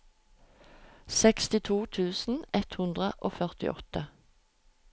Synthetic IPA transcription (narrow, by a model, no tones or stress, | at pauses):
sɛkst̪ɪt̪ʰuːt̪ʰʉːsn̩ɛt̪hʉnd̪ʁəʔoːfœʁt̪ɪ̰ʔɔt̪ə